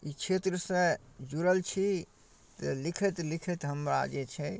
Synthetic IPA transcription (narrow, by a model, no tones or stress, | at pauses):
it͡ʃʰet̪ɾəsẽd͡ʒuɾəlt͡ʃʰi | t̪əlikʰət̪likʰət̪ɦəmɾa̰d͡ʒɛt͡ʃʰɛ